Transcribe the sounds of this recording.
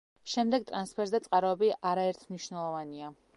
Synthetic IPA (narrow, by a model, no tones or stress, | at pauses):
ʃɛmd̪ɛɡ̚t̪ʼɾanspʰɛɾzat̪sʼqʼaɾɔɛbiʔaɾaɛɾt̪ʰmniʃnɛlˠɔvania